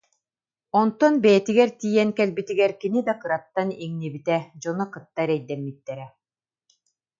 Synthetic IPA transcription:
ɔnt̪ɔnbɛjɛt̪iɡɛɾt̪iːjɛnkɛlbit̪iɡɛɾkinid̪akɯɾat̪ːaniŋnibit̪ɛd͡ʑɔnɔkɯt̪ːaɾɛjd̪ɛmːit̪ːɛɾɛ

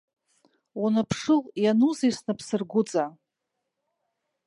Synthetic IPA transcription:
unɨpʰʂɨljanuzisnɨpʰsɨrɡʷʊt͡sʼa

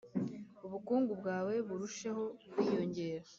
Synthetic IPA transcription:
uβukuːŋɡubɡaːwe̞βuɾuʃe̞ho̞kwiːjo̞ɲɟe̞ːɾa

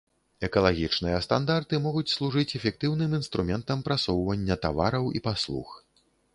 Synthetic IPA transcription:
ɛkɐlˠaɣʲit͡ʂnɨjɐst̪and̪art̪ɨmɔɣut͡sʲslˠuʐɨt͡sʲɛfʲɛk̚t̪ɨwnɨminst̪ɾumʲɛnt̪ɐmpɾasɔwvɐnʲːɐt̪avaɾɐwḭpaslˠṵx

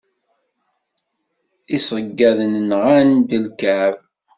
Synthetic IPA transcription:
isəɡːæðənnʁand̪əlkæɾ

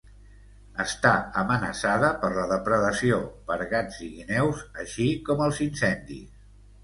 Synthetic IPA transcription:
əst̪aəmənəsaðəpəɾləðəpɾəðəsiopəɾɣad͡ziɣinɛwzəʃikɔməlˠzinsɛnd̪ḭs

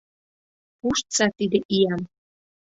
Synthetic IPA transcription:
uʃt̪t͡sɑt̪id̪əʔijɑm

